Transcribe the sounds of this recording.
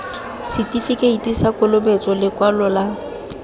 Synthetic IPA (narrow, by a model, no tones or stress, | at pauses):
sɪtifikʼeitʼisakʼʊlʊbet͡sʼɔlɪkʼwalɔla